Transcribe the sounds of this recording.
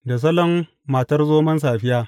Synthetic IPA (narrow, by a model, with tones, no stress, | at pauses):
da˨s̬ɐ˦lɔ˦mː | aː˨tɐ˦rzoː˦mɐ˦ns̬aː˨ɸɪ˦jaː˦